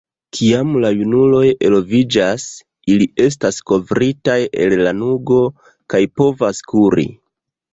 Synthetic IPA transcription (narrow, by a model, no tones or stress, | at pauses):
kʰiamlajunulo̞je̞lo̞vid͡ʒas | iliʔe̞s̬tasko̞vɾitaje̞̰llanuɡo̞ | kajpo̞vaskuɾḭ